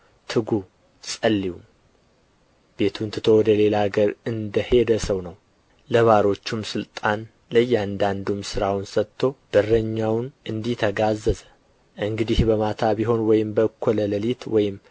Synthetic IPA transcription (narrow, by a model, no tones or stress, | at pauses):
t̪ʰɨɡu | sʼəlːiwum | b̥e̞t̪ʰunt̪ʰɨt̪ʰowɔd̪əle̞laɡəɾɨnd̪əhe̞d̪əsəwnəw | ləβaɾo̞t͡ʃːumsɨlt̪ʼan | ləjːand̪and̪umsɨɾawnsət̪ʰːo̞b̥ɨrːəɲːawnʔɨnd̪it̪ʰəɡazːəz | ʔɨŋɡɨd̪ihbəmat̪ʰabiɦo̞nwɔjɪmbəkʰolələlit̪wɔjɪm